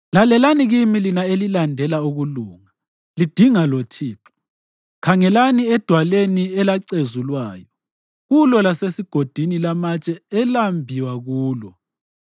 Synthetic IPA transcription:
lalɛlaniɣimilinaelilandʱɛlauɣuluːŋa | lid̥ʱiŋalot͡ʃʰiːǁɔ̥ | kʰaŋɛlaniɛd̥ʱwaleniɛlaǀezulwaːjɔ | ɣulɔlasesiɡ̥ʱod̥ʱinilamat͡ʃʼɛɛlambʱiwaɣuːlɔ

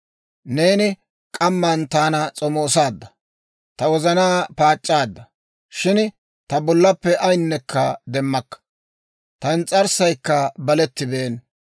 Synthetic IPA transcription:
ne̞ːnɪ | kʼɐmːɐːnt̪aːnɐt͡sʼɔmoːsaːd̪ːɐ | t̪ɐwɔzɐnaːpaːt͡ʃʼːaːd̪ːɐ | ʃɪn | t̪ɐbɔlːɐpːɛʔɐjnːɛkʰːɐd̪ɛmːɐkːɐ̥ | t̪ɐnt͡sʼɐɾsɐjkːɐbɐlɛt̪ːɪbe̞ːn

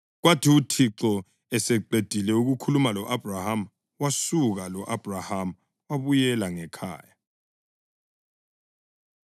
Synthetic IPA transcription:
ɣwatʰiutʰiǁɔ | ɛsɛǃed̥ʱilɛuɣukʰulumalɔʔab̥ʱraham | wasuɣalɔʔab̥ʱraham̩ | waβujɛlaŋɛkʰa̰ːja

